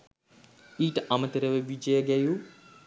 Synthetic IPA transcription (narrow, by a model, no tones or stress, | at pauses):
iːʈɐmɐt̪ɐɾɐʋeʋid͡ʒɐjɐɡɐju